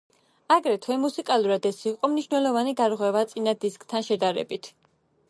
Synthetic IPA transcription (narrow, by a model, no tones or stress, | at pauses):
aɡɾɛt̪ʰwɛmusikʼalˠuɾad̪ɛsiqʼɔmniʃwnɛlˠɔvaniɡ̪aɾʁwɛvat̪sʼinad̪iskʼt̪ʰanʃɛd̪aɾɛ̰bit̪ʰ